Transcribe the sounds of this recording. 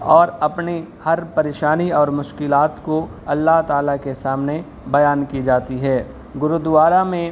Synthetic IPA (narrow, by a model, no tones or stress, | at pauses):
ɔːɾɐpnehɐɾpɐɾeːʃaːniɔːɾmʊʃkɪlaːt̪koɐlːaɦt̪aːlakesaːmne | bɐjaːnkid͡ʒaːt̪iɦɛː | ɡʊɾud̪ʊʋaːɾamẽ